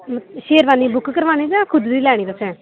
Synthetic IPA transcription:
ʃeːɾʋaːniːbʊkːkəɾʋaːniːd͡ʒakʰʊd̪d̪iːlɛːɽ̃iːd̪əsʰɛ̃ː

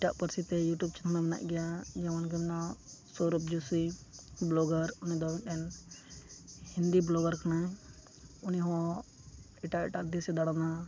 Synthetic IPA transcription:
ɪʈa̰ʔpəɾsit̪ɛjuʈjub̚t͡ʃənʰnaməna̰ʔɡɛjad͡ʒɛwanɡɛmnasɔɾup̚d͡ʒusiblɔɡəɾunid̪ɔwinɗɛn | hind̪iblɔɡəɾkʰənaɛ | uniɦɔ̃ | ɛʈaʔɪʈad̪isɛd̪aɽana

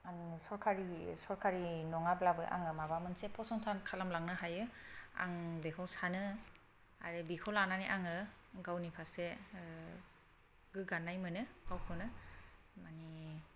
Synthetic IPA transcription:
ansɔɾkʰaɾisɔɾkʰaɾinɔŋablabɯ̰ʔa̰ŋɯmabamɯnsepʰɔsɔntʰankʰalamlaŋnɯɦajɯa̰ŋbekʰawsanɯ | a̰ɾɯbikʰɔlananiʔaŋɯ | ɡawnipʰase | ɡɯɡanːajmɯnɯɡ̥awkʰɯnɯ | mani

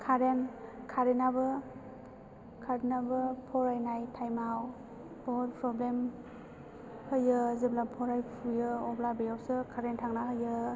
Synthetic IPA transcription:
kʰaɾenkʰaɾinabɯ | kʰaɾinabɯpʰɔɾajnajtʰajmaɦaw | bɔpɾɔblem | hɯjɯzɯblapʰɔɾajpʰujɯɔblabejawsɯkʰaɾentʰaŋnaɦɯjɯ

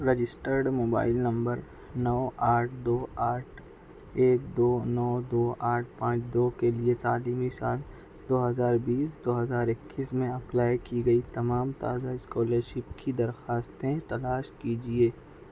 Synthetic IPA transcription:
ɾed͡ʒɪsʈəɾɖmoːba̰ːɪlnɐ̃mbəɾ | nɔːʔaːʈʰd̪oːaːʈʰ | eːkd̪oːnɔːd̪oːʔaːʈ̚ʰpãːt͡ʃd̪oːkeliet̪aːliːmisaːl | d̪oːɦɐzaːɾbiːsd̪oːɦɐzaːɾɪkːismẽɐplaːjkiɡɐit̪ɐmaːmt̪a̰ːzaɪskɔːləɾʃɪpkid̪ɐɾxaːst̪ẽt̪ɐlaːʃkid͡ʒieː

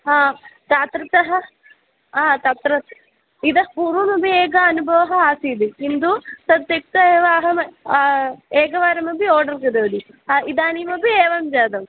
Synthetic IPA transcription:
ɦaːt̪aːt̪ɾɐt̪ɐɦɐ̆ | aːt̪at̪ɾɐt̪ | id̪ɐɦɐpuːɾʋɐmɐbieːɡɐɐnubʱɐʋɐɦɐaːsiːd̪iind̪usɐd̪jɐk̚t̪ɐeːʋaːɦɐmɐ | eːkɐʋaːɾɐmɐbioːɖɐɾɡɐd̪ɐːd̪i | aid̪aːnimɐbieːʋɐmd͡ʒaːd̪ɐm

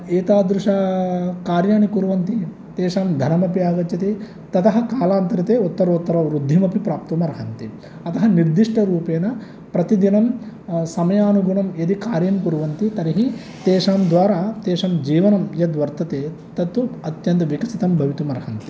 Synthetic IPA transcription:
eːt̪aːd̪ɾuʂaːkaːɾjaːɳikuɾuʋɐnt̪i | t̪eːʂaːmd̪ʱɐnɐmɐpijaːɡɐt͡ʃjɐt̪e | t̪ɐt̪ɐɦɐkaːlaːnt̪ɐɾit̪eːot̪ːɐɾːt̪ːɐɾɐɾud̪ʱːimɐpipɾaːp̚t̪umɐɾɐɦɐnt̪i | ɐt̪ɐɦɐniɾd̪iʂʈɐɾuːpeːnɐ | pɾɐt̪id̪inɐm | sɐmɐjaːnuɡuɳɐmed̪ikaːɾjɐnkuɾuʋɐnt̪it̪ɐɾiɦi | t̪eːʂaːmd̪ʋaːɾaːt̪eːʂɐmd͡ʒiːʋɐnɐmjɐd̪ʋɐɾt̪ɐt̪eː | t̪ɐt̪ːuɐt̪jɐnt̪ɐʋikɐsit̪ɐmbʱɐʋit̪umɐɾɐɦɐnt̪i̥

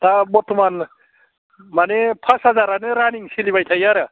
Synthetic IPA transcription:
t̪abot̪ʰman | manepʰasɦɐd͡zaɾaneɾaniŋsilibajt̪ʰajaɾə

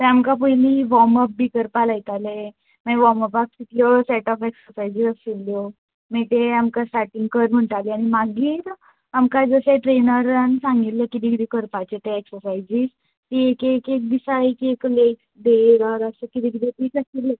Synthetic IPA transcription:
t̪ẽamkapəjliʋɔməp̚bikəɾpalajt̪ale | maʋɔməpak̚sit̪ljosɛʈɔfɛksəɾfajd͡ʑiɾəsiljo | meʈeamkasʈaɾʈiŋɡkəɾm̤əɳʈaleaɽ̃imaɡiːɾ | amkad͡zəseʈɾenəɾansãŋɡit̪lekit̪ikit̪ekəɾpat͡ɕet̪eɛksəɾfajd͡ʑiːs | t̪iekekek̚d̪isaekekleksd̪eɡaɾasəkit̪ikid̪ʰep̪isasilːe

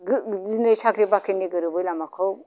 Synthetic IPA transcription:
ɡzinɯjsakɾibakʰinːiɡɯɾubɯjlamakʰɯw

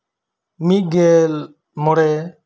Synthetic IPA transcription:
mit̚ɡɛl | mɔɽɛ

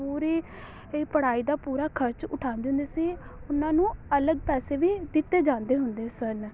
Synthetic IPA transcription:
uːɾiː | pəɽaːiːd̪aːpuːɾaːkʰəɾt͡ʃʊʈʰaːnd̪eɦʊ̃nd̪eːsiːʊnãːnũːələɡ̚pɛːseːʋiːd̪ɪt̪ːeːd͡ʒãːnd̪eːɦʊnd̪eːsən

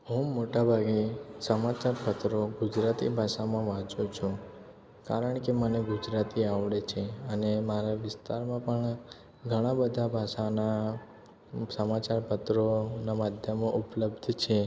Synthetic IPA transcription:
ɦũmoʈabʱaɡesəmat͡ʃaɾpət̪ɾoɡud͡ʒɾat̪ḭbʱaʃamãʋãd͡ʒut͡ʃʰũ | kaɾəɳkeməneɡud͡ʒɾat̪iaʋɽet͡ʃʰeənemaɾaʋɪst̪aɾmãpəɳ | ɡʱəɽ̃ãbəd̪ʱabʱaʃana | səmat͡ʃaɾpət̪ɾonamad̪ʱjəmoʔupləbd̪ʱt͡ʃʰe

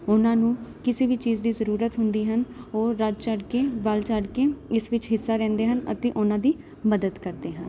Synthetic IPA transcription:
ʊnãːnũːkɪseːbiːt͡ʃiːzd̪iːzəɾuːɾət̪ɦʊnd̪iːɦənoːɾəd͡ʒt͡ʃəɖkeːbəlt͡ʃəɖkeːɪsʋɪt͡ʃɦɪsːaːɾɛ̃ːnd̪eːɦənə̰t̪eːʔʊnãːd̪iː | məd̪əd̪kəɾd̪eːɦən

